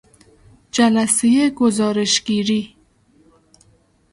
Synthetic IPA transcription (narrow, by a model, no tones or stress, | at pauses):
d͡ʒalasejeɡʊzɑɾɪʃɡiɾi